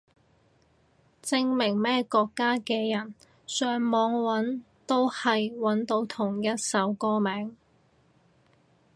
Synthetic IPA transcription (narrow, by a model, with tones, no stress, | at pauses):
t͡sɪ˧ŋmɪ˨˩ŋmɛː˥kɔː˧kːaː˥kɛː˧jɐ˨˩n | sœː˨˧ŋmɔː˨˧˥ŋwɐ˨˥n | t̪o˥whɐ˨jwɐ˨˥nt̪o˨˥wt̪ʰʊ˨˩ŋjɐ˥t̚sɐ˨˥wkɔː˥mɛː˨˥ŋ